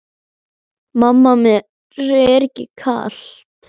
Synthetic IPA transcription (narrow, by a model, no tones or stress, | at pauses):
mamːamɛ | rɛɾcɪ̰kʰa̰ɬt̪